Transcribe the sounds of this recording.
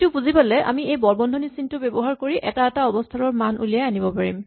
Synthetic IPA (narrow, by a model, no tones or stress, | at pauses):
tupuzibalɛʔa̰miejbɔɹbɔndʱɔnisintʊbebɔɦaɹkoɹiʔɛtaɛtaɔbɔstʰaɹɔɹmanʔṵlijaanibɔpaɹḭm